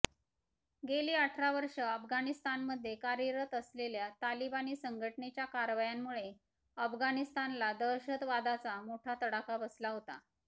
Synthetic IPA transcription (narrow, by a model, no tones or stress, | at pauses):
ɡeliːaʈʰɾaʋəɾʂəəfɡanist̪anməd̪ʱːjekaɾiɾət̪əsleljat̪alibaniːsəŋɡʱəʈɳet͡ɕjakaɾʋajamːuɭe | əfɡanist̪anlad̪əɾɕət̪ʋad̪at͡samoʈʰat̪əɽakabəslaɦot̪a̰